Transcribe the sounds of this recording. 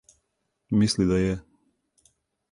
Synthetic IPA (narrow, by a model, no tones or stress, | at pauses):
mislid̪ajɛ